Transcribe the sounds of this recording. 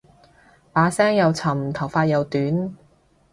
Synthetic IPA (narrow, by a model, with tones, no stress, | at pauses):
paː˨˥sɛː˥ŋjɐ˨wt͡sʰɐ˨˩mt̪ʰɐ˨˩wfaː˧t̚jɐ˨wt̪yː˨˥n